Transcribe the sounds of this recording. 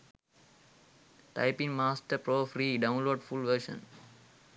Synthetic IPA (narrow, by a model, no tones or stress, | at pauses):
ʈa̰ɪpĩŋmaːsʈəɾpɾoːfɾiːɖãʊ̃nloːɖfulʋəɾʃə̰̃n